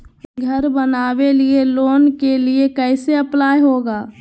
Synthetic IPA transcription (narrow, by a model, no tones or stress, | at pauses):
ɡʱəɾbənaːʋelieloːnkeliekɛːseɐplaːjɦoːɡaː